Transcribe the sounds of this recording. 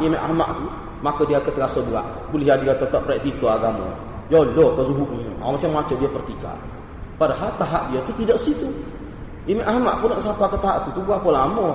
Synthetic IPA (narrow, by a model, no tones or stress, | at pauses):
imaʔa̰hma̰ʔt̪u | makədiakət̪əkasəbəa̰ʔ | bulɪhɦadikat̪ət̪ɔpɾɛk̚t̪ikoaɡamõ̰ | jolɔkəzuɦuʔniɲə̰ʔa̰mat͡ʃamːat͡ʃədiapərt̪ika̰ | padaɦalt̪aɦaʔdiat̪ut̪idaʔsit̪u | imaʔahma̰ʔpʊnɔʔsapakət̪aɦaʔt̪ut̪ubapəlamɔ